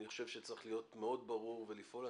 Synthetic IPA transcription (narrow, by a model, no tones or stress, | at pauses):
niχo̞̥ʃevʃet͡sʁiχlijo̞tmeo̞dbaʁuʁvelifʔo̞la